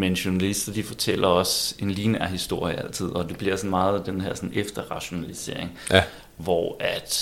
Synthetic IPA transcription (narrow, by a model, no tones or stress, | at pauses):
menɕonælisd̥ɐd̥ifɒt͡sʰel̰ɐɒ̽se̝nliːnæɐ̰hisd̥o̝ɐ̰jəæl̰t͡sʰið̞̰ˠɒ̽d̥e̝b̥liɐ̰sɒ̽nmɑ̈ːð̞̩ˠd̥enɦæɐ̰sɒ̽nefd̥ɐʁɑ̈ɕo̝nælise̝ɐ̰e̝ŋ | ʋɒæd̥